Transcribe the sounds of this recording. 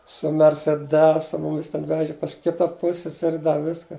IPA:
sʊ mʲɛrʲsʲɛˈdʲæːsʊ ˈmʊmʲɪs tʲɛn ˈʋʲæːʒʲɪ pɐs ˈkʲɪtɐ ˈpʊsʲsʲɛsʲɛrʲɪ ˈdɐ ˈʋʲɪskɐ

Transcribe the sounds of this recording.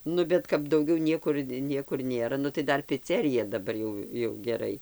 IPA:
ˈnʊ bʲɛt kɐp dɐʊˈɡʲɛʊ nʲiɛˈkʊr ˈnʲiɛkʊr ˈnʲeːrɐ ˈnʊ tɐɪ ˈdɐr pʲɪˈt͡sʲæːrʲɪjɛ dɐˈbɐr jɛʊ jɛʊ ɡʲɛˈrɐɪ

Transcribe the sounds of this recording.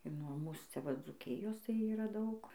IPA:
ɪr nuɔ ˈmuːs t͡sʲɛˈʋɐ d͡zuːˈkʲɪjoːs tɐɪ ˈiːrɐ ˈdɐʊk

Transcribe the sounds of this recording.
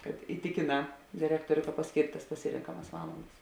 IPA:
kɐt ɪˈtʲɪkʲeːˌnɑː dʲɪrʲɛkˈtoːrʲʊ kɐ pɐsʲˈkʲeːrʲtʲ tɐs pɐˈsʲɪrʲɛŋkɐmɐs ˈʋɑːlˠɐndɐs

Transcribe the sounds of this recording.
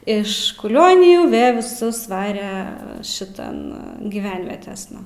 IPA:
ˈɪʃ kʊˈlʲoːnʲɪjuː ˈʋʲeː ʋʲɪˈsʊs ˈʋɑːrʲɛ ʃʲɪˈtɐn ɡʲɪˈʋʲɛnʲʋʲiɛtʲeːsnɐ

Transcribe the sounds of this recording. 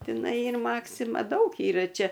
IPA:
tʲɪˈnɐɪ ˈiːr ˈmɑːksʲɪmɐ ˈdɐʊk ˈiːrɐ ˈt͡ʃʲɛ

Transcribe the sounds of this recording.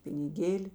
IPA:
pʲɪnʲɪˈɡʲeːlʲɪ

